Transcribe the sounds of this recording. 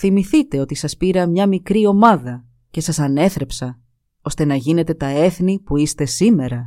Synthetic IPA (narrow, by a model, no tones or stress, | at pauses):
θimiθit̪e̞o̞t̪isɐspiɾɐmɲɐmikɾio̞mɐðɐ | ce̞sɐsɐne̞θɾe̞psɐ | o̞st̪e̞nɐʝine̞t̪e̞t̪ɐe̞θnipuist̪e̞sime̞ɾɐ